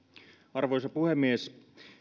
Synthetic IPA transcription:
ɑrʋojsɑpuhemːies

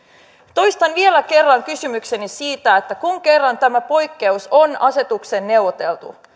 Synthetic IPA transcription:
t̪o̞jst̪ɑnʋielæke̞rːɑŋkysymykse̞nisiːt̪æet̪ːækuŋke̞rːɑnt̪æmæpo̞jkːe̞uso̞nɑse̞t̪ukse̞nːe̞wʋot̪e̞lt̪ṵ

